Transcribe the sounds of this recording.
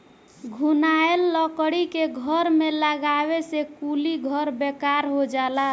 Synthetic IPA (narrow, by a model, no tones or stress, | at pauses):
ɡʱunaelːəkɽikeɡʱəɾmeləɡaβesekuliɡʱəɾbekaɾɦod͡ʒala